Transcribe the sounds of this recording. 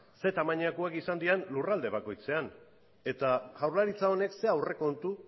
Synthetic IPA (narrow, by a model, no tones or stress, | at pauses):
se̞t̪amaɲakuakisand̪ianlurald̪e̞βako̞jt͡se̞an | e̞t̪aɣawɾlaɾit͡sao̞ne̞kse̞awre̞ko̞nt̪u